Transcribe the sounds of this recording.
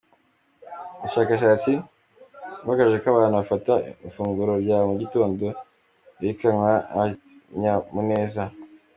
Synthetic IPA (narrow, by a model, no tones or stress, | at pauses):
uuʃaːkaʃ̬aːt͡si | maɡaʒekaβaːnuβafataifuːŋɡuɾo̞ɾjamuɟito̞ːndo̞ | iikaŋwaaɲamune̞ːza